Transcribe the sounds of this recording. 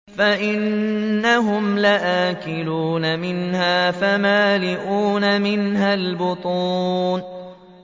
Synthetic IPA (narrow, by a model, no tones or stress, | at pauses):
faʔɪnːaɦʊmlaʔaːkɪluːnamɪnhaːfamaːlɪʔuːnamɪnɦalbʊt̪ˤuːn